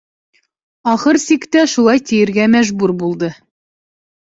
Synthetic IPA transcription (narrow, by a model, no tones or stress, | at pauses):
ɒχɤɾsikt̪æʃulˠɑjt̪ijɘ̆ɾɡæmæʒbuɾbulˠd̪ɤ